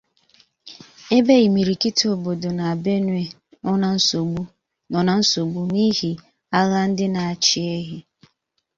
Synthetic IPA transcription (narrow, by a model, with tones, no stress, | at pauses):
e˦be˦i˨mi˨ɾi˨ki˦to˨bo˨do˨na˨be˦nwe˦˨˦ | u˦ | ɔ˨na˨n̩˦so˨ɡ͡bu˦ni˦hi˨ | a˦ɣa˦n̩˦dɪ˦na˨a˨t͡ʃi˦e˦ɦi˦